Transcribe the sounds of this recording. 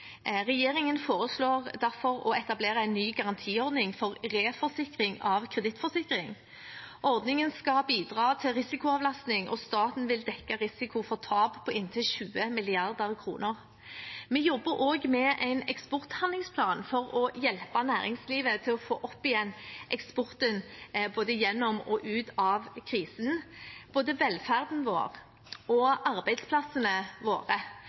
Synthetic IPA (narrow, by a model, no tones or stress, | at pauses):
ʁɛjeːɾɪŋənfoːʁəsloːʁd̪æʁfɔɾɔɛt̪ɑbleːʁɑæɪnːyːɡɑʁɑnt̪ʰiːɔʁd̪nɪŋfɔʁʁeːfɔʁsɪkʁɪŋɑʋkʰʁɛd̪ɪt̪fɔsɪkʁɪŋ | ʔɔʁd̪nɪŋənskɑbiːd̪ʁɑːt̪ʰɪlʁɪsɪkʊɑːʋlɑst̪nɪŋʔɔ̰st̪ɑːt̪n̩ʋɪld̪ɛkːɑʁɪsɪkʰʊfɔʁt̪ʰɑːbpʰɔɪnt̪ʰɪlɕʉːəmɪlɪɑʁd̪əʁkʰɾṵːnəʁ | mɛjɔbːəɾʔoːɡmɛʔæɪnɛkspɔʁt̪hɑnɪŋspʰlɑːnfɔʁɔjɛlpɑnæːʁɪŋsliːʋət̪ʰɪlɔfo̰ːʔɔpːɪjɛnːʔɛkspɔʁt̪ənboːd̪əjɛnːɔmɔʔʉːt̪ɑʋkʰʁiːsənb̥oːd̪əʋɛlfæʁd̪n̩ʋo̰ːʁ | ɔʔɑʁbæɪd̪spʰlɑsənəʋo̰ːʁə